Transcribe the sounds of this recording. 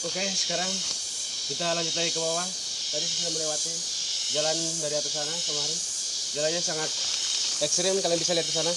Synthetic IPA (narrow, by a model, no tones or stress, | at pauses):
okesə̥kaɾaŋ | kit̪alaɲd͡ʒut̪laɡikəbawa | t̪adis̬isaməlewat̪i | d͡ʒalan | daɾiat̪us̬anakəmaɾɪn | d͡ʒalanɲasaŋat̪̚ | ɛkst̪ɾɪmkaliaŋbisaliat̪̚kəs̬ana